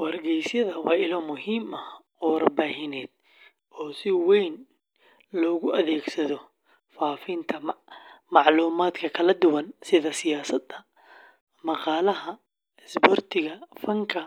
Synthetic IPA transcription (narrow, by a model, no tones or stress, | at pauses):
wɐrɡɛjsjɐðɐwɑːɪlɔːmʊɦiːmɐ | ɔːɾɐbaːɦɪnɛːd̪̚ | ʔɔːsɪwɛjn | lɔːɣʊʔɐðɛːɡsɐðɔ | faːfɪnt̪ʰɐmɑʕluːmaːd̪kʰɐkʰɐlɐd̪ʊwɐnsɪðɐsɪjaːsɐd̪ɐ | mɑqɑːlɐɦɐ | ɛsbɔrt̪ʰɪɣɐfɐŋkʰɐ